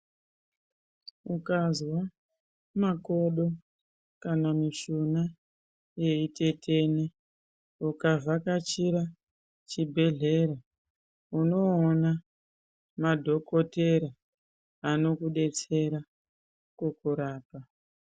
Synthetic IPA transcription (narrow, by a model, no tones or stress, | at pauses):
ukazwa | mako̞ɗo̞ | kanamiʃuna | je̞ite̞tʰe̞ne | ukavakat͡ʃiɾa | t͡ʃibʱe̞ɮe̞ɾa | uno̞ːna | madʱo̞ko̞te̞ɾa | ano̞kuɗe̞t͡se̞ɾa | kukuɾaːpa